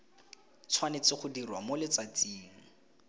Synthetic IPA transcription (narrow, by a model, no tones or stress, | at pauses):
t͡sʰwanɪt͡sɪχʊdirwamolɪt͡sat͡siːŋ̩